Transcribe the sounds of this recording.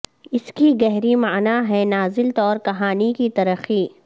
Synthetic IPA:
ɪskiɡɛɦɾimaːnaɦɛnaːzɪlt̪ɔːɾkɐɦaːnikit̪ɐɾəxiː

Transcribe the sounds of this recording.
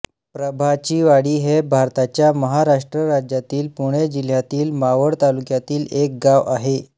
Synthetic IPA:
pɾəbʱat͡ɕiːʋaɽiːɦebʱaɾt̪at͡ɕjaməɦaɾaʂʈɾəɾad͡ʑjat̪iːlpuɽ̃ed͡ʑil̤jat̪iːlmaʋəɽt̪alukjat̪iːlek̚ɡaʋaɦe

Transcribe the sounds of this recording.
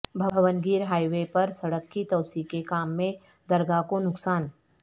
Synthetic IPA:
bʱɐʋənɡiːɾɦaːiʋepɐɾsɐɽəkːit̪ɐʊsikekaːmːẽ | d̪ɐɾɡakonʊksaːn

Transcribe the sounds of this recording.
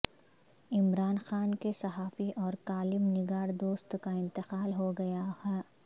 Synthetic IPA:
ɪmɾaːnxaːnkesɐɦaːfiʔɔːɾkaːlɪmnɪɡaːɾd̪oːst̪kaɪ̃nt̪ɪqaːlɦoɡɐjaɛː

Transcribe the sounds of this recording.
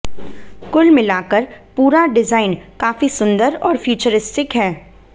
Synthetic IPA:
kʊlmɪlaːkəɾpuːɾaɖɪzaːɪnkaːfisʊ̃nd̪əɾɔːɾfuːt͡ʃəɾɪsʈɪkɦɛː

